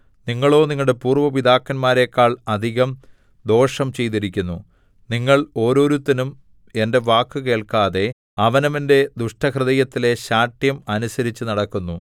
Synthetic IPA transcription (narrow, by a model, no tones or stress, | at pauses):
niŋːɐɭo̞ːniŋːɐɭɽe̞puːrʋɐʋid̪aːkːɐnmaːɾe̞ːkːaːɭɐd̪ʱiɣɐm | d̪o̞ːʂɐmt͡ɕe̞jt̪iɾikʲːunːu | niŋːɐɭo̞ːɾo̞ːɾut̪ːɐnum | e̞nde̞ʋaːkːɨke̞ːɭkaːðe̞ | ɐʋɐnɐminde̞d̪uʂʈɐkrɨðɐjɐt̪ːile̞ɕaːʈjɐmɐnusɐɾit͡ɕːɨnɐɽɐkːunːu